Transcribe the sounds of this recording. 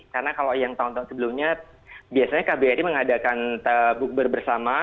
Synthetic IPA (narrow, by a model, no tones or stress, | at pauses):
kaɾənakalojaŋt̪aunt̪aunsəbəlumɲa | biasaɲakabeaɾiməŋadakanəbuk̚bərbərsama